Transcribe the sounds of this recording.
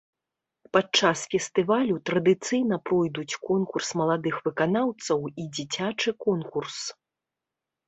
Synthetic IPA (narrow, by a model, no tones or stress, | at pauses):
pat͡ʂːasfʲɛst̪ɨvalʲut̪ɾɐd̪ɨt̪sɨjn̪ɐpɾɔjd̪ut͡sʲkɔnkursmɐlˠad̪ɨxvɨkanawt̪sɐwid͡zʲit͡sʲat͡ʂɨkɔnkurs